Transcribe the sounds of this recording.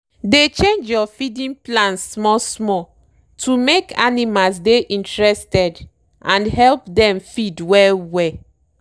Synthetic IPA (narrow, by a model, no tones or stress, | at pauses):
det͡ʃẽnd͡ʒjɔfidĩnplãnsːmɔsmɔ | tʰumekʰa̰nimals̬deʔĩntɹɛstɛd | ʔãnɦɛlpdɛ̃mfidwɛlwɛ